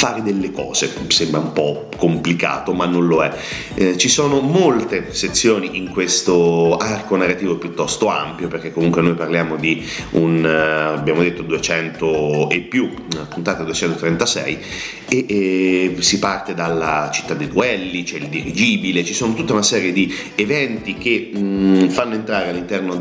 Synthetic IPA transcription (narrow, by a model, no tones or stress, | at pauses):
faːɾed̪elːekɔ̰ːz̥ḛsembɾaumpɔ | komplika̰ːt̪omanːõnloɛ | t͡ʃisoːnomolt̪eset̪sːjoːniʔiŋkwest̪oarkonarːat̪iːvopjut̪ːɔst̪oa̰mpjoperk̟ekːomuŋkwenojparljaːmod̪i | unabjaːmod̪et̪ːod̪uet͡ʃɛnt̪oepːju | pːunt̪aːt̪ed̪uet͡ʃɛnt̪ot̪ɾɛnt̪asɛ̰j | e | sipart̪ed̪alːat͡ʃi̥t̪ːad̪ed̪uɛlːit͡ʃɛild̪iɾid͡ʒiːbilet͡ʃisoːnot̪ut̪ːaunasɛːɾjed̪i | evɛnt̪ik̟e | fanːoent̪ɾaːɾealːint̪ɛrno